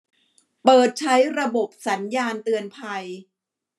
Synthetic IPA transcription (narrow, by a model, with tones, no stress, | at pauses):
pɤː˨˩t̪̚t͡ɕʰa˦˥jɾa˧bo˨˩p̚sa˩˦njaː˧nt̪ɯ˨˧ənpʰa˧j